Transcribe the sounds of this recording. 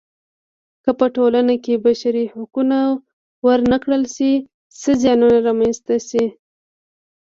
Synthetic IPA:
kəpəʈolanakebaʃaɾihakuna | wəɾnakɽəlʃi | səzjɑnunaɾɑmanst̪asi

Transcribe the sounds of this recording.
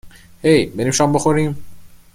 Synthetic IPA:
hejbeɾiːmʃɒːmboxoɾiːm

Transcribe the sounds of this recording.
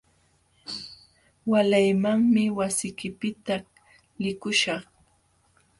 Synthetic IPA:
walajmaŋmɪwasɪkɪpɪt̪a | lɪkʊʃɑχ

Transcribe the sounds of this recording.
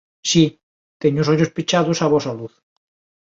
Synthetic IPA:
si | t̪eɲosoʎospit͡ʃaðosaβosaluθ

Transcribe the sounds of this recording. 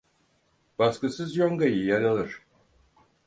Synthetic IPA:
b̥askɯsɯzjoŋɡajɯjaɾalˠɯɾ̥

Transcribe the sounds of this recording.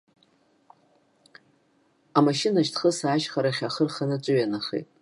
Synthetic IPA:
amaʃɪnaʃtʰχəsaːʃχaɾaχʲaχərχanɨt͡ʃʷʼʊjanaχḛtʼ

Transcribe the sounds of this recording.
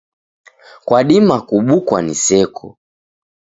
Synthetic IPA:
kwaɗimakuɓukwa̰nisɛkʰɔ

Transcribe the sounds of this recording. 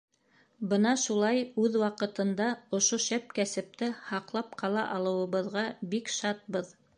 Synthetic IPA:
bɤnɑʃulˠɑjʉðwɑqɤ̆t̪ɤ̆nd̪ɑŏʃoʃæp̚kæsɘ̆p̚t̪ɘhɑqlˠɑp̚qɑlˠɑ̰ʔɑlˠɤ̆wɤ̆βɤ̆ðʁɑbikʃɑt̪̚bɤð

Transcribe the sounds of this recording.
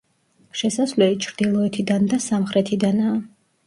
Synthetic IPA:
ʃɛsasvlɛlit͡ʃʰɾd̪ilˠɔɛt̪ʰid̪and̪asamχɾɛt̪ʰid̪anaː

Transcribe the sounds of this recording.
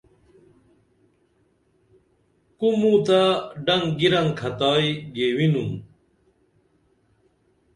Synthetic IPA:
kumũt̪aɖɐŋɡiɾɐŋkʰɐt̪aːjɡewinum

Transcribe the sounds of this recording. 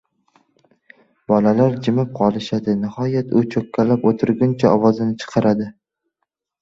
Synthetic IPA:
bɒlalaɾd͡ʒɪmɪp̚qʰɒlˠɪʃad̪ɪnɪhɒjat̪ʰʊt͡ʃʰɵkʲʰːalapot̪ʰʊɾɡʲʊnt͡ʃʰaɒwɒzɪnɪt͡ʃʰɨ̥qʰɑɾad̪ɪ

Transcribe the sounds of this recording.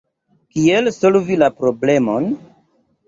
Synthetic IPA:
kielso̞lvilapɾo̞ble̞mon

